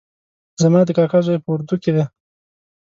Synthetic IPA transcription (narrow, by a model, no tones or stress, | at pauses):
zamɑd̪əkɑkazajpəwʊɾd̪uked̪e